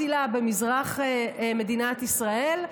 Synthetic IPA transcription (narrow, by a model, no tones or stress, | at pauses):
ilabe̞mizʁaχeme̞d̪inat̪isʁae̞l